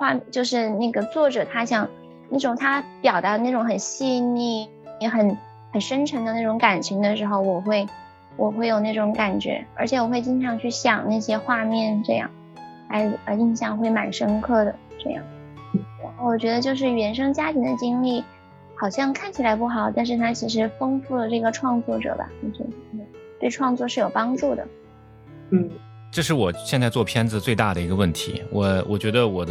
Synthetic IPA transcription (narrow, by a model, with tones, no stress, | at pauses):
xwa˥˧˥t͡ɕjo˥˧ʊʂɻ̩˥˧na˥˩ɡə˩t͡swɔ˥˩ʈ͡ʂɤ˨˩t̪ʰa˥ɕjɑ˥˧ŋ | na˥˩ʈ͡ʂʊ˨˩ŋt̪ʰa˥pjɑ˨˩ʊt̪a˧˥˦na˥˩ʈ͡ʂʊ˧˥ŋxə˨˩nɕi˥˧ni˥˩˥ | xə˨˩n | xə˨˩nʂə˥nʈ͡ʂʰə˧˥ŋd̪ə˧na˥˩ʈ͡ʂʊ˧˥ŋka˨˩nt͡ɕʰy˧˥ŋd̪ə˧ʂɻ̩˧˥xo˥˧ʊwɔ˨˩xwe˥˩ɪ | wʔɔ˨˩xwe˥˩ɪjo˨˩ʊna˥˩ʈ͡ʂʊ˧˥ŋka˨˩nt͡ɕɥɛ̰˧˥ə˞˧˥t͡ɕʰjɛ˧˥wɔ˨˩xwe˥˧ɪt͡ɕi˥nʈ͡ʂʰɑ˧˥ŋt͡ɕʰy˥˩ɕjɑ˨˩ŋna˥˩ɪɕjɛ˥xwa˥˧mjɛ˥˧nʈ͡ʂɤ˥˧jɑ̰˥˩ŋ | la̰˧˥ɪə˧i˥˧nɕjɑ˥˧ŋxwe˥˩ɪma˨˩nʂɤ˥ŋkʰɤ˥˩d̪ə˩ʈ͡ʂɤ̰˥˧jɑ̰˥˩ŋ˥˩ | ɻa˧˥nxo˥˩ʊwɔ˨˩t͡ɕɥɛ˧˥d̪ə˧t͡ɕjo˥˧ʊʂ̬ɻ̩˥˩ɥɛ˧˥nʂ̬ɤ˥ŋt͡ɕja˥t̪ʰi˧˥nd̪ə˧t͡ɕi˥ŋli˥˩ | xɑ˨˩ʊɕjɑ˥˧ŋkʰa˥˩nt͡ɕʰi˨˩la˧˥ɪp̬u˥˩xɑ˨˩ʊt̪a˥˧nʂɻ̩˥˧t̪ʰa˥t͡ɕʰi˧˥ʂ̬ɻ̩˧˥fɤ˥ŋfu˥˩lə˩ʈ͡ʂɤ˥˩ɡə˩ʈ͡ʂʰwɑ˥˧ŋt͡swɔ˥˩ʈ͡ʂɤ̰˨˩bɐ̰˩˥˩t͡ɕo˥˧˩ | t̪we˥˧ɪʈ͡ʂʰwɑ˥˧ŋt͡swɔ˥˧ʂɻ̩˥˩jo˨˩ʊpɑ˥ŋʈ͡ʂu˥˩d̪ə̰˩ | n̩˥˩ | ʈ͡ʂɤ˥˧ʂɻ̩˥˩wɔ˨˩ɕjɛ˥˧nt͡sa˥˧ɪt͡swɔ˥˩pʰjɛ˥nd͡zɹ̩˨˧t͡swe˥˧ɪt̪a̰˥˩d̪ə˩i˧˥ɡə˧wə˥˩nt̪ʰḭ˧˥wɔ˨˩˦wɔ˨˩t͡ɕɥɛ˧˥d̪ə˧wɔ˨˩d̪